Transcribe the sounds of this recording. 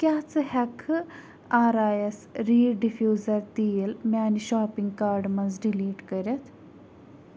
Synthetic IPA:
kjaːt͡sɨhɐkʰɨ | aːɾaːjɐsɾiːɖifjuːzɐɾt̪iːlmʲaːniʃaːpiŋɡkaːɾɖmɐnzɖiliːʈkɐɾʲɐt̪ʰ

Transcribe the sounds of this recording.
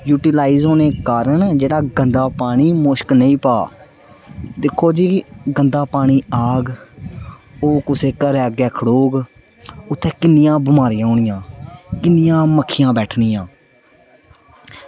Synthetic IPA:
juːʈɪlaːizɦoːneːkaːɾəɳd͡ʒeːɽaːɡənd̪aːpaːɳ̃iːmoʃknəĩːpaː | d̪ɪkʰːoːd͡ʒiːɡənd̪aːpaːɽ̃iːaːɡ | oːkʊseːkəɾɛːɡɛːkʰəɽoːɡ | ʊt̪ʰːɛ̃ːkɪnɪjãːbɪmaːɾɪjãːɦʊɳɪjãːkɪnːɪjãːməkʰːɪjãːbɛːʈʰnɪːjãː

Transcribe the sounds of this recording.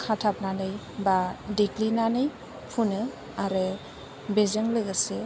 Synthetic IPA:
kʰatʰap̚nanɯj | badeklinanɯj | pʰunɯ | aɾɯ | bezɯŋlɯɡɯsɯ

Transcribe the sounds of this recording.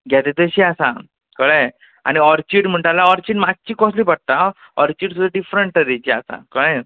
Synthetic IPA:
ɡʱjat̪et̪əɕiasa̰ | kəɭe | a̰ñiɔɾt͡ɕiɽm̤əɳʈalaɔɾt͡ɕiːɖmad͡ʑ̚t͡ɕiːkɔsliːpəɽ̚t̪a | ɔɾt͡ɕiːɽsud̪ʱːaɖifɾəɳʈəd̪et͡ɕiasa̰kəɭẽ

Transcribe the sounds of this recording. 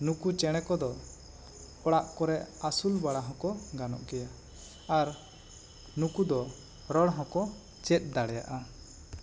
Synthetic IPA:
nukut͡ʃɛɽ̃ɛkɔd̪ɔ | ɔɽaʔkɔɾɛʔasulbaɽaɦɔ̃kɔɡanɔ̰ʔkɛja | aɾ | nukud̪ɔ | ɾɔɽɦɔ̃kɔ | t͡ʃɛt̪̚ˀd̪aɽɛja̰ʔa

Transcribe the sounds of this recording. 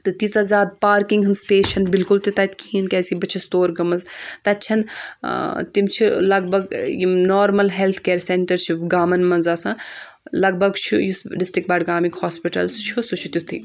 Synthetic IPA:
t̪ɨt̪isɐzʲaːd̪̚paːɾkiŋɡɦɨnspeːʃɐnbilkult̪ut̪ɐt̪kʰiːnkɛːsibɐt͡ʃʰist̪oːɾɡɐmɐnzt̪ɐtːt͡ʃʰɐn | t̪imt͡ʃʰilɐɡ̚bʱɐɡjinoːɾmɐlɦelt̪ʰkeːɾseɳʈɐɾt͡ʃʰiɡaːmɐnmɐnzaːsã | lɐɡ̚bʱɐɡt͡ʃʰujusɖisʈɾikʈ̚bɐːɖɡaːmikhoaːspiʈɐ̰lst͡ʃʰusut͡ʃʰut̪ʲut̪ʰḭ

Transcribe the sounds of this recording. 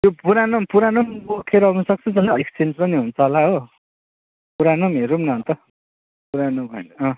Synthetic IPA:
jopuɾanompuɾanombokʰeɾʌʌnusʌk̚t͡sʰʌd͡zʌlaekst͡send͡zpʌniɦunt͡sʰʌɦolaɦo | puɾanomɦeɾumnʌnt̪ʌ | puɾanobʱʌnʌ

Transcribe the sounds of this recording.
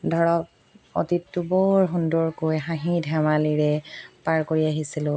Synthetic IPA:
dʱɔɹɔk̚ | o̰titːubɔɹɦundɔɹkojɦãɦĩdʱɛmaliɹɛpaɹkoɹiaɦisilʊ̃

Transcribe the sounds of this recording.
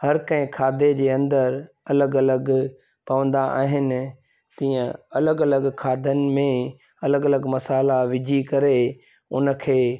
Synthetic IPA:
hɐɾkɐ̃ɦɪ̃kʰaːd̪ʱed͡ʑeːɐ̃nd̪əɾ | ɐləɡɐləɡ | pɐʋə̃nd̪aʔa̰ːɦɪnɪ̆ | t̪ĩːə̃ɐləɡɐləɡkʰaːd̪ʱənɪ̆mẽ | ɐləɡɐləɡmɐsaːlaʋɪd͡ʑʱikɐɾe | ʊnə̆kʰeː

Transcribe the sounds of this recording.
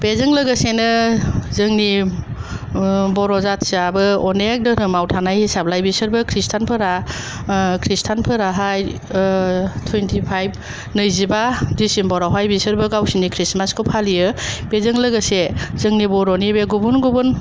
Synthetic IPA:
pezɯŋlɯɡɯsenɯzɯŋni | bɔɾɔzatsabɯɔnek̚dɯɾɯmawtʰanajhisap̚lajbisɯɾbɯkʰɾistʰanpʰɯɾa | kʰɾistʰanpʰɯɾaɦaj | tʰwentʰipʰajb̚ | nɯjzibadisimbɔɾawɦajbisɯɾbɯɡawsinikʰɾismaskʰɯpʰalijɯpezɯŋlɯɡɯsezɯŋnibɔɾɔnibeɡubunɡubun

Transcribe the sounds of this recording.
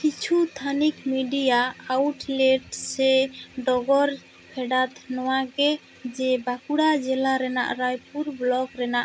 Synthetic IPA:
kit͡ʃʰut̪ʰanikmiɖijaawʈlɛʈsɛɖɔɡɔɾ | pʰɛɖat̪ʰnɔwaɡɛ | d͡ʒɛbakuɽad͡ʒɛlaɾɛna̰ʔɾajpuɾblɔɡɾɛnaʔ

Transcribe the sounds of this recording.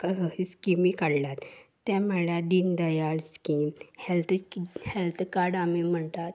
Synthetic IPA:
kəsəɦiskimikaɽlat̪ː | ɛ̃məɭjad̪ind̪əjaɭskimhɛlt̪ʰhelt̪ʰkaɾɖamim̤əɳt̪at̪

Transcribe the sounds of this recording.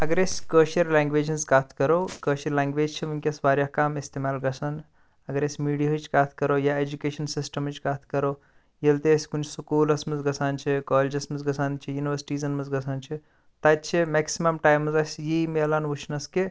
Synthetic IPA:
ɐɡəɾesʲkəːʃiɾlãːŋɡʋeːd͡ʒɐnzkaːt̪ʰkɐɾokəːʃiɾlaːŋɡʋeːd͡ʒt͡ʃʰimunkʲesbaːɾjaɦkaːmist̪emaːlɡɐsɐn | ɐɡəɾesʲmiːɽiɦɐt͡ʃʰkaːt̪ʰkɐɾojaed͡ʒukeːʃɐnsisʈɐmət͡ʃʰkaːt̪ʰkɐɾo | jelt̪esʲkunt͡ʃʰsukuːlɐsmɐzɡɐsʰaːnt͡ʃʰikɔːled͡ʒɐsmɐzɡɐsʰaːnt͡ʃʰijuːniʋəɾsʈiːzɐnmɐzɡɐsʰaːnt͡ʃʰi | t̪ɐt̪t͡ʃʰimeksimɐmʈaːjmɐzɐsʲjimelanʋut͡ʃʰnɐske

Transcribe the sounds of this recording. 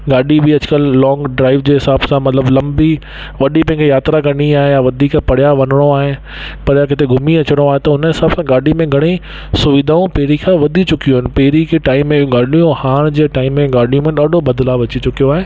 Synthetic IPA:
ɡaːɗʱibɪɐd͡ʑɪkəlːɔːŋɡɖɾaːɪʋd͡ʑeːɦɪsaːbsãmɐt̪ləblɐ̃mbi | ʋɐɗipɐ̃ɦɪ̃ŋkʰejaːt̪ɾakɐniaːɦejaʋɐd̪ʱiːkpɐɽjaʋɐnɪɽ̃oaːɦɪnɪ | pɐɽjakɪt̪eɡʱʊmiɐt͡ɕɪɽ̃oaːɦet̪ɐʊnəɦɪsaːbsãɡaːɖimẽɡʱɐɽ̃ĩ | sʊʋɪd̪ʱaːũpɛɦɾikʰãʋɐd̪ʱit͡ɕʊkijũɦɪnɪ̆pɛɦɾikʰeʈaːɪmːẽɡaːɗijũhaːɽ̃d͡ʑeːʈaːɪmːẽɡaːɗʱijũmẽɗaːɗʱobɐd̪laʋɐt͡ɕit͡ɕʊkijoaːɦẽː

